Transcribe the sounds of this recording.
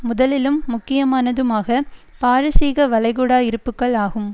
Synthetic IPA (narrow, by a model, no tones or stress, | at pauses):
mʊðɐlɪlɯmːʊkːɪjɐmaːnɐðɯmaːɣɐpaːɾɯsiːɣɐʋɐlɐɪɣuɽaːɪɾɯpːɯkːɐɭaːɣɯm